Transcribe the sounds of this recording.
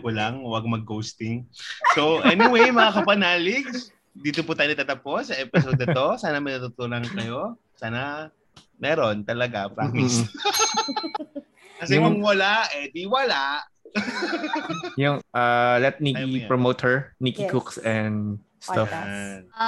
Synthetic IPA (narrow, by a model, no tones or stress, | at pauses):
kʊlaŋwaɡ̚mɐɡːowst̪ɪŋsowʔɛniwejmɐŋakɐpɐnaːlɪɡ̚s | d̪iːt̪oput̪aːjot̪ɐt̪ɐposɐʔɛpɪsod̪ɐt̪o̞saːnɐmɐnɐt̪ʊt̪olɐŋkɐjo̞ | saːnɐ | mɛɾo̞nt̪ɐlɐɡapɾamɪs | kɐsɛkʊŋwɐlaɛd̪iwɐlaʔ | jʊŋʔalɛt̪̚niipɹomowt̪hɛɹnikikuksɛnd̪ | st̪afn